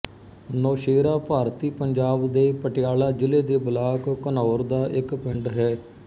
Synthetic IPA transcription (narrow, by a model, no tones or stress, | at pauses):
nɔːʃeːɾaːpaːɾt̪iːpəɲd͡ʒaːbd̪eːpəʈɪjaːlaːd͡ʒɪleːd̪eːbəlaːkkənɔːɾd̪aːʔɪkpɪ̃ɳɖɦɛː